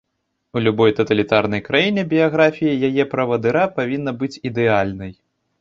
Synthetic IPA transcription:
ulʲubɔjt̪ɐt̪ɐlʲit̪arnɐjkɾajinʲɛbʲijaɣɾafʲijɐjajɛpɾɐvɐd̪ɨɾapavʲinːɐbɨt͡sʲid̪ɛalʲnɐj

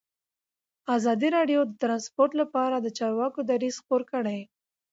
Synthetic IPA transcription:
azɑd̪iɾɑɖjod̪ət̪ɾɑnspoɾʈ̪lapɑɾad̪ət͡ʃɑɾwɑkod̪aɾiz̥xpoɾkəɽaj

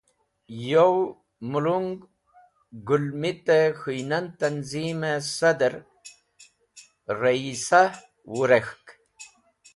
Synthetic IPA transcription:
jow | muluŋɡ | ɡulmit̪exujnant̪anzimesad̪əɾ | ɾaisa | wuɾexk

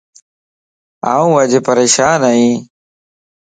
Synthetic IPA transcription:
aːũːʋəd͡ʒpəɾeːʃaːnaːɦĩː

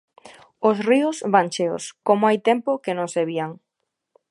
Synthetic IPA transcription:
osriʊsβant͡ʃeo̰skomoajt̪empokenõŋseβiaŋ

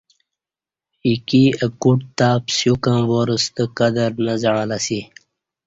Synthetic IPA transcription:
ikiəkuʈ̚t̪aːpsjukãwoɾəst̪əkəd̪əɾnəzəɳãlasi

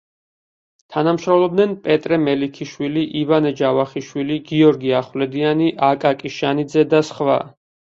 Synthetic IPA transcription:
t̪ʰanamʃɾɔmlˠɔbd̪nɛnpʼɛt̪ʼɾɛmɛlikʰiʃwiliʔivanɛd͡ʒavaχiʃwiliɡiɔɾɡiaχwlɛd̪ianiʔakʼakʼiʃanid̪zɛd̪asχva̰

